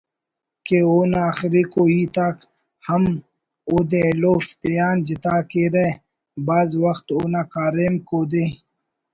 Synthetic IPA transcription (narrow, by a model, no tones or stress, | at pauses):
keoːnaːxɾikoːiːt̪aːk | hɐm | oːd̪ẽloːft̪ejaːnd͡ʑit̪aːkeɾe | baːzwɐxt̪oːnakaːɾeːmkoːd̪eː